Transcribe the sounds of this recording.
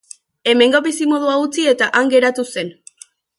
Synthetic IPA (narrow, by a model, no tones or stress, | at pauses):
e̞me̞ŋɡo̞βisimo̞ð̞uaut͡sie̞t̪aʔaŋɡe̞ɾat̪use̞n